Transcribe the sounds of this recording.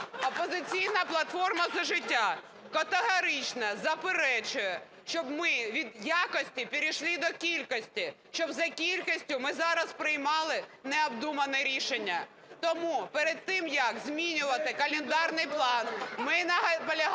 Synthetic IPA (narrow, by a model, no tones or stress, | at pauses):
ɔpɔzɪt͡sʲijnɐplˠɐt̪fɔrmɐzɐʒɪtʲːa | kɐt̪eɦɔɾɪt͡ʃnɐzɐpeɾɛt͡ʃʊjɛ | ʃt͡ʃɔbmɪʋʲid̪jakɔsʲtʲipʲiɾʲiʃlʲˠid̪ɔkʲilʲkɔsʲtʲiʃt͡ʃɔbzɐkʲilʲkisʲtʲʊmɪzɑɾɐspɾɪjmɑlˠɪnɛɔbd̪umɐnɛɾʲiʃenʲːɐ | t̪ɔmupeɾed̪̚t̪ɪmjɐkzʲmʲinʲʊʋɐt̪ɪkɐlʲɪnd̪ɑrnɪjplˠɑnmɪnɐɦpɔlʲɐɦ